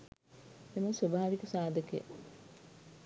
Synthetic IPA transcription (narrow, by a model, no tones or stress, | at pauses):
eməswobaːʋikəsaːd̪əkḛ